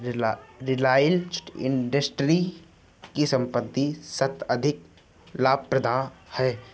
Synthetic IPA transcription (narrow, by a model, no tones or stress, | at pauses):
ɾɪlaːjlɪ̰̃ɳɖəsʈɾi | kisə̃mpət̪ːisɐt̪əd̪ʱɪk | laːb̚pɾəd̪ʱaːhɛː